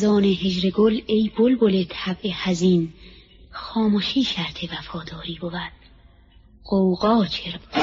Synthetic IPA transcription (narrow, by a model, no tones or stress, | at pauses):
zɒːneɦed͡ʒɾeɡolejbolbolet̪ʰæbʔehæziːn | xɒːmoʃiːʃæɾt̪ʰevæfɒːd̪ɒːɾiːbovæd̪̥ | qowɣɒːt͡ʃʰeɾ